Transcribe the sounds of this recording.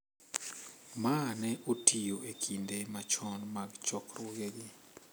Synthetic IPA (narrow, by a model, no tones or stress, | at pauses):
manɛʔotʰijoekʰindemat͡ʃɔnmaɡt͡ʃɔkroɡeɡɪ